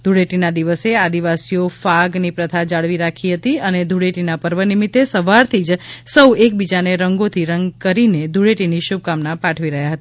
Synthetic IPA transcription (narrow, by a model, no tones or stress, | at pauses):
d̪ʱuɽeʈinad̪iʋəsead̪iʋasijofaɡnipɾət̪ʰad͡ʒaɭʋiɾakʰiɦət̪iəned̪ʱuɽeʈinapəɾʋənimit̪ːesəʋaɾt̪ʰid͡ʒsəwek̚bid͡ʒaneɾəŋɡot̪ʰiɾəŋɡkəɾined̪ʱuɽeʈiniʃub̚kamnapaʈʰʋiɾəɦjaɦət̪aa